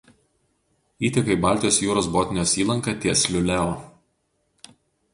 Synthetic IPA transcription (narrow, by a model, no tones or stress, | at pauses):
iːt̪ʲɐkɐɪbɑˑlʲt̪ʲɪjoːsjuːɾoːsboːt̪ʲnʲjoːsiːlˠɐŋkɑt̪ʲiɛsʲlʲʊlʲæoː